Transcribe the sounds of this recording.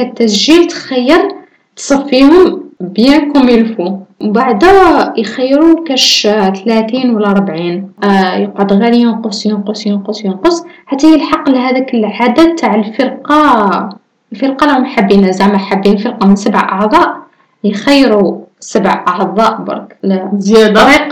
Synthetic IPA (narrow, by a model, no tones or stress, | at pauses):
æt̪ːæsʒilt̪xæjːəɾ | t̪sˤɑfːihʊmbjænkuməlfuwbaʕd̪æjxæjːɾukæʃt̪læt̪inwəlːæɾˤbʕinjəqʕod̪ɣælijənqosˤjənqosjənqosjənqosħat̪ːæjəlħɑqːlɦæd̪ikəlʕad̪at̪ʰːaʕəlfəɾqɑ | əlfəɾqɑlæhʊmħabːinæzaʕmaħabːinəlfəɾqɑmənsəbəʕʔɑʕd̪ˤɑʔ | jxæjːɾusəbəʕʔɑʕd̪ˤɑʔbɑ̰ɾˤklzjæd̪ɾiq